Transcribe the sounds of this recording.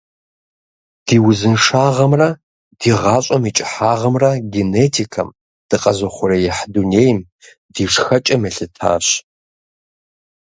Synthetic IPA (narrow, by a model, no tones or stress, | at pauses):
d̥iːwʊzɨnʂaːʁɐmrɐ | d̥iːʁɑːɕʼɐmit͡ʃʼɪħaːʁɐmrɐɡeneːtʰikʰɐm | d̥ɨqʼɐzɐχʷʊɾɐjɛħduneːjm | diːʂxɐt͡ʃʼɐmɛɬɨtʰa̰ːɕ